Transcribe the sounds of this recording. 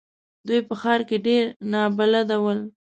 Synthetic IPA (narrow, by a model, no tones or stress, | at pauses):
d̪ujpəxɑɾkeɖeɾnɑbalad̪awəl